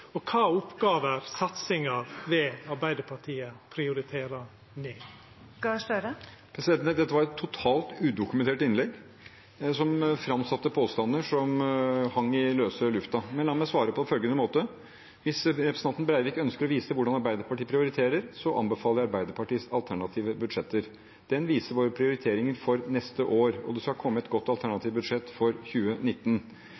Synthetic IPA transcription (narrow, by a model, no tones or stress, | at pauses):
ɔkʰɑːʊpɡɑːʋəɾsɑt̪sɪŋɑɾʋɛɑɾbæɪd̪əpʰɑʈʰiːəpʰɾɪʊɾɪt̪ʰeːɾɑ | neː | ɑst̪œɾəpʰɾɛsɪd̪ɛnd̪ɛt̪ːəʋɑɾɛt̪ʰːʊt̪ʰɑːlt̪ʉːd̪ʊkʉmɛnt̪eːʈɪnlɛɡː | sɔmfɾɑmsɑt̪ːəpʰoːst̪ɑnd̪əʂɔmhɑŋːɪløːsəlʉft̪ɑmɛnlɑːmɛsʋɑːɾəpʰɔɛnfœlɡənəmoːt̪ə | ʋɪsɾɛpʰɾəsɑnt̪nbɾæɪʋiːkœnskəɾɔʋiːsəʋʊɖɑnɑɾbæɪd̪əɾpʰɑʈiːpʰɾɪʊɾɪt̪ʰeːɾəɾsɔʔɑ̰nbəfɑːləɾɑɾbæɪd̪əɾpʰɑʈiːsɑ̰lt̪ʰæɳɑt̪ʰiːʋəbʉd̪ʂɛt̪ːəɾ | d̪̥ɛnʋiːsəɾʋoːɾəpʰɾɪʊɾɪt̪ʰeːɾɪŋəɾfɔɾnɛst̪əʔoːɾɔ̰d̪ɛskɑkʰɔmːəɛt̪ɡɔt̪ːɑlt̪ʰæɳɑt̪ʰiːʋbʉd̪ʂɛt̪ːfɔɾçʉːənɪt̪ːn